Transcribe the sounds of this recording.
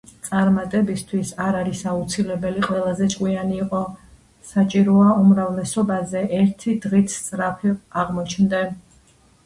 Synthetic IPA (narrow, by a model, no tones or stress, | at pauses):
t̪sʼaɾmat̪ʼɛbist̪ʰwisaɾaɾisaut̪sʰilɛbɛliqʼwɛlˠazɛt͡ʃʼkʼwianiːqʼɔ | sat͡ʃʼiɾɔaumɾavlɛsɔbazɛʔɛɾt̪ʰid̪ʁit̪ʰsʼɾapʰiaʁmɔt͡ʃʰnd̪a